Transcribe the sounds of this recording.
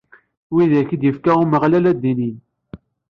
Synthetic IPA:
wiðæçid̪jəfkæʁuməʁlælæd̪ːinin

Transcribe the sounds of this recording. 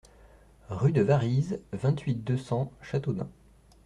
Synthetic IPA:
ʁyd̪əvaʁizvɛ̃t̪ʰɥit̪̚d̪øsɑ̃ʃat̪od̪ɛ̰̃

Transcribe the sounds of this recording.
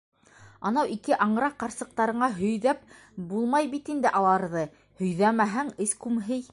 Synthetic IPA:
ɑnɑwikɘʔɑɴɾɑqːɑɾsɤ̆q̚t̪ɑɾɤ̆ɴɑɦɵ̆jðæp̚ | bulˠmɑjbit̪ind̪ɘʔɑlˠɑɾðɤ | hɵ̆jðæmæɦæŋɘskʉmɦɘj

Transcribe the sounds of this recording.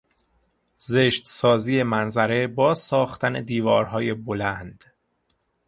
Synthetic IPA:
zeʃt̪sɒːziːje̞mænzæɾe̞bɒːsɒːxt̪ʰæned̪iːvɒːɾɦɒːje̞bolænd̪̥

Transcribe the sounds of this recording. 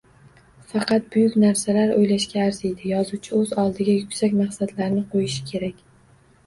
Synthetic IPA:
fɑqɑt̪̚bʊjʊkʲnaɾsalaɾojlaʃkʲaːɾzejd̪ɪjɒzuwt͡ʃʰɪɵzɒlˠd̪ɪɡʲajʊkʲsakʲmaχsad̪laɾnɪqʰojɪʃɪ̥kʲʰe̞ɾakʲ

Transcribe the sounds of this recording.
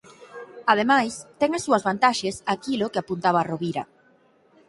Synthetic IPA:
að̞emajst̪ɛŋasːuɐzβant̪aʃesakilokeapunt̪aβaroβiɾɐ̰

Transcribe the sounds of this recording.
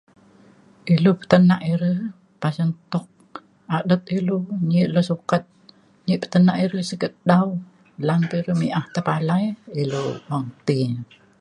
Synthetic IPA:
ʔilupə̥t̪ənaʔiɾəh | pasənt̪ɔk̚ | adət̪̚iluɲiʔlɔsukat̪̚ | ɲiʔpə̥t̪ənaʔiɾəhsəɡət̪̚daw | lanpəɾəmiʔaht̪əpalajiluwaŋt̪i

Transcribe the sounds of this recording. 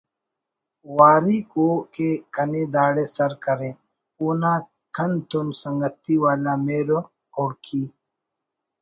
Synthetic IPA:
waːɾikoːkekɐneːd̪aːɽeːsɐɾkɐɾẽː | unãː | kʰɐnt̪unsɐŋɡɐt̪iwaːlaːmeːɾo | oːɽkʰiː

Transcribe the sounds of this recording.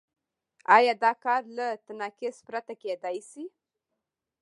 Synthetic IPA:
ɑjɑd̪ɑkɑɾlat̪anɑkɪspɾat̪aked̪ajsi

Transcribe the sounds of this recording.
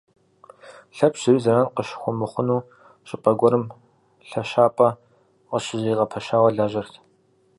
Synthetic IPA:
ɬɐpʰɕɪɾiːzɐɾanqəʃxʷʊmɨχʷʊnuː | ɕʼɪpʼɐɡʷɔɾɨm | ɬɐʃaːpʼɐ | qəɕʼɪziːʁɐpʰɐʃaːwɐɮaːʑɐrtʰ

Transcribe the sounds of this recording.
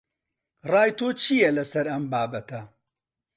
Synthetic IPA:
rɑːjt̪oːt͡ʃʰijɐlɐsɐɾɐmbaːbɐt̪ʰɐ

